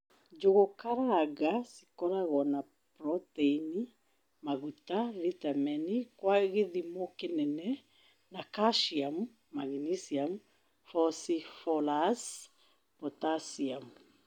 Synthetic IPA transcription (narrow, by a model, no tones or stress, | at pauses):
d͡ʒoɣokaɾaɣasi̥kɔɾaɣɔna | pɾɔteini | maɣutavitamɛnikwaɣeðimɔkenɛnɛ | nakaʃiamu | maɣinisiam | fɔsifɔlas | pɔtasiamu